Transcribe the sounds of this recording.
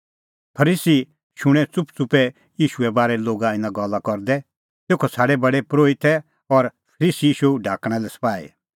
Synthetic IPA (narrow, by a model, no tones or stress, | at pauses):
pʰɐɾiːsi | ʃʊɽ̃ɛ̃t͡sʊpt͡sʊpɛ | jiːʃuɛbaːɾɛloːɡaɪ̃nãɡɔlakɔɾd̪ɛ | t̪eːkʰɔsʰaːɽɛbɐɽɛpɾoːit̪ʰɛ | ɔɾpʰɐɾiːsiiːʃuɖʱaːkɽ̃ɛ̃lɛsɐ̥paːḭ